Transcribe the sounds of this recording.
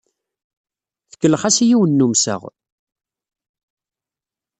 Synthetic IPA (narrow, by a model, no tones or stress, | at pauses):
θə̥kːəlːəχæsijiwənːumsə̰ʁ